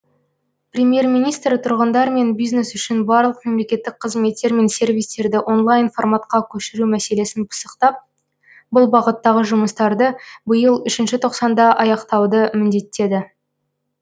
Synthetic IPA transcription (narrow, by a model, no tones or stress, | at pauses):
prʲe̞mje̞rmijnijst̪ɾɪt̪ʰʊɾʁənd̪ɑɾme̞nbijzne̞sʏʃɪnbɑɾlˠəqme̞mle̞kʲe̞t̪ːɪk̚qʰəzme̞t̪ːe̞ɾme̞nsʲe̞ɾvijst̪e̞ɾd̪ɪʔo̞nlˠɑjnformat̪qɑkʲʰɵʃɪɾumæse̞le̞sɪnpʰə̥səqt̪ɑp̚ | bʊlˠbɑʁət̪ːɑʁəʒʊməst̪ɑɾd̪əbəjəlˠʏʃɪnʃɪt̪ʰo̞qsɑnd̪ɑʔɑjɑqt̪ɑwd̪əmɪnd̪e̞t̪ːe̞d̪ɪ